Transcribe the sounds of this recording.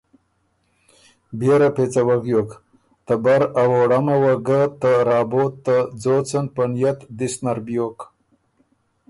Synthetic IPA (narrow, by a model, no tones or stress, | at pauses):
beɾapet͡sawaɡjoːk | t̪abaɾawoɽamawɐɡat̪əɾɑːboːt̪ːad͡zot͡sənpənjat̪d̪isnaɾbjoːk